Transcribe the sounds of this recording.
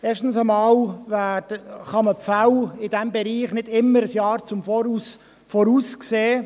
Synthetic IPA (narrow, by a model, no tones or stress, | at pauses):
eːʃtən̩səmɑːlvæːd̥əχɑməpfalɪd̥ɛmbɛɾiːχnɪdɪmːəɾəsjɑːɾt͡sʊmfɔːɾuːs | fɔɾuːskseː